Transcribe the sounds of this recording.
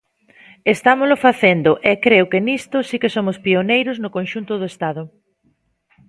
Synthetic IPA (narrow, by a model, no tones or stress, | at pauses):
est̪amʊzlʊfaθend̪ʊʔɛkɾeʊkɪnist̪ʊsikesomʊspionejɾʊznʊkonʃunt̪ʊðʊest̪aðʊ